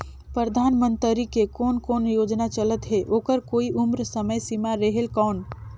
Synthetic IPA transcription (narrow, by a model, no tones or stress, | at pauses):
pɾəɾəd̪ʱaːnmə̃nt̪ɾikekɔːnkoːnjoːd͡ʒnat͡ʃələt̪ɦeʔoːkəɾkoːiʔumɾsəməjsimaɾəɦelkɔːn